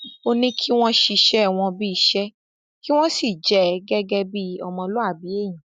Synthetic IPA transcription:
o˧nĩ˦kʰi˦w̃ɔ̃˦ʃi˧ʃɛ˦˨w̃ɔ̃˧bi˦i˧˦ʃɛ˦ | ki˦w̃ɔ̃˦si˦˨d͡ʒɛ˨ɡɛ˦ɡɛ˦˧bi˦ɔ˧mɔ̃˧lo˦a˦˨bi˨˦e˦˨j̃ĩ˨

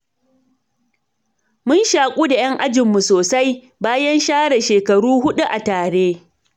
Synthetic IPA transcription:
mʊ˦nʃaː˨kʷʼuː˦da˨j̰ɐ˦ŋʔa˦d͡ʒɪ˨mːu˨soː˨sa˦j | baː˦jɐ˦nʃaː˦ɽɛ˨ʃeː˨kɐ˨ɽuː˦ɦʊ˦ɗu˦ʔa˨taː˨ɽeː˦

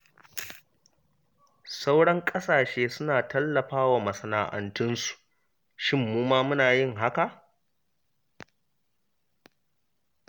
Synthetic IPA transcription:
sa˦wɽɐ˦ŋkʼɐ˦saː˨ʃeː˦sʊ˦naː˨tɐ˦lːɐ˨ɸaː˦waː˨mɐ˨sɐ˨na̰ː˨ʔɐ̰˨ntʊ˦nsu̥˨ʔ | ʃɪ˦mːuː˦maː˦mʊ˦naː˨jɪ˦˨ŋɦa˦ka˨ʔ

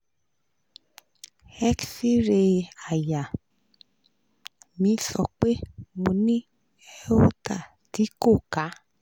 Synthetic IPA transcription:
ɛ˦ksi˦ɾe˧a˨ja˨ | mĩ˨˧˦sɔ˧k͡pe˦mõ˨nĩ˦ | ɛ˦o˦ta̰˦˨ | ti˨˦ko˦˨ka˨˦

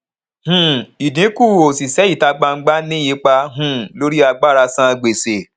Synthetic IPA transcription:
hũ˦i˨dĩ˨˦ku˦˨o˨si˨sɛ˨˦i˦˨ta˧ɡ͡ba˧ŋ̩˦ɡ͡ba˦nĩ˦ji˧˦k͡pa˧ɦũ˦˨lo˦ɾi˦a˧ɡ͡ba˦˨ɾa˧sã˦˧ɡ͡be˨se˨

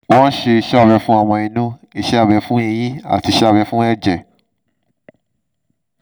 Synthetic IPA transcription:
wɔ̃˦ʃe˧ʃa˦˨ɾɛ˧˦fũ˦a˦˨w̃ɔ̃˧i˧nũ˦i˧ʃɛ˦a˦˨ɾɛ˨˧˦fũ˦e˧jĩ˦a̰˦˨ti˧ʃa˦˨ɾɛ˧˦fũ˦ɛ˦˨d͡ʒɛ˨

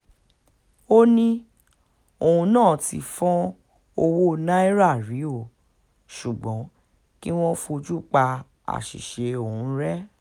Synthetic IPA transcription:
o˦nĩ˦ | o˨hũ˧nãː˦˨tḭ˨˧fɔ̃˦ | o˧wo˦˧nã˦i˦ɾa˦˨ɾi˨˦o˦˨ | ʃu˨ɡ͡bɔ̃˨˦ | ki˦w̃ɔ̃˦fu˦˧o˧d͡ʒu˦k͡pa˧ | a̰˨ʃḭ˨ʃe˨˧o˨hũ˨˧˦ɾɛ˦

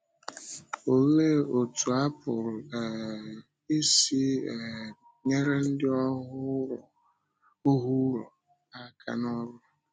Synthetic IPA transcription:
o˨le˦o˨tu˨a˦pʊ˨ɾʊ˨ɛ˨ | i˦si˦˨ | ɲe˦ɾe˦n̩˦dɪ˦ɔ˦ʊ˦˨ | ʊ˦ɦu˦ɾɔ˨ | a˦kʰa̰˨nɔ˦ɾʊ˦

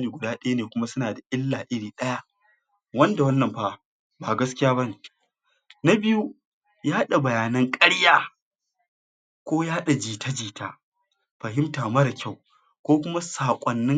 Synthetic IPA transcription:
niː˨ɡʷʊ˨daː˦ɗɐ˦ja˦neː˨kʷʊ˦ma˦sʊ˦naː˨da˨ʔɪ˦lːaː˨ʔɪ˦ɽiː˨ɗɐ˦ja˦ʔ | wɐ˦nda˨wɐ˦nːɐ˨mɸaː˦ | baː˨ɡɐ˦skʲɪ˦jaː˦bɐ˦niː˨ | na˦bɪ˦ju˦ | ja˦hɗa˨bɐ˨jaː˨nɐ˦ŋkʼɐ˦ɽjaː˦ | kʷoː˦ja˦ha˦ɗa˨d͡ʒiː˨tʰa˦d͡ʒiː˨taː˦ | ɸɐ˨ɦɪ˦mtaː˨mɐ˦ɾa˨kʲa˦˨w | kʷoː˦kʷʊ˦ma˦saː˨kʷʼɔ˨nːɪ˦ŋ

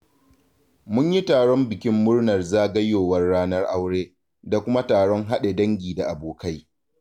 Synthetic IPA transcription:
mʊ˦ɲji˦taː˨ɽɔ˦mbɪ˨kʲɪ˦mːʊ˦rnɐ˨rzaː˦ɡɐ˦jːoː˨wɐ˦rːaː˦nɐ˦rʔa˦wɽeː˦ | da˨kʷʊ˦ma˦taː˨ɽɔ˦ŋɦa˦ɗe˨dɐ˦ŋɡʲiː˨da˨ʔa˨boː˨ka˦j

